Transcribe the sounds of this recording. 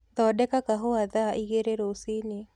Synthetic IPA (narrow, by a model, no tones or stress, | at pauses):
d̪ɔɗɛkakaɦoaðaʔiɡeɾeɾosine